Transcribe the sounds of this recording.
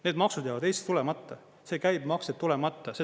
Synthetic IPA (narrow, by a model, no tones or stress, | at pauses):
ne̞ːd̪mɑksud̪jaːvɑd̪̥ejst̪ulemɑt̪ˑːɑ | se̞ːkæjb̥mɑkset̪ːulemɑt̪ˑːɑse